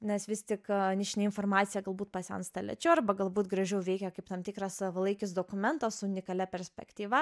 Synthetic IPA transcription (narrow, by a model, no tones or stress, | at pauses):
nʲɛsʋʲɪst̪ʲɪknʲɪʃʲnʲɛɪnfoːrmɑːt̪sʲɪjɛɡɐlˠbuːt̪pɐsʲɛɐnst̪ɐlʲɛ̰t͡ʃʲɛʊɐrbɐɡɐlˠbuːt̪ɡɾɐʒʲɛʊʋʲɛɪkʲɛkɐɪpt̪ɐmt̪ʲɪkɾɐsʋɐlˠɐɪkʲɪsd̪oːkʊmʲɛnt̪ɐsʊʊnʲɪkɐlʲɛpʲɛɾʲsʲpʲɛ̰kt̪ʲiːʋɐ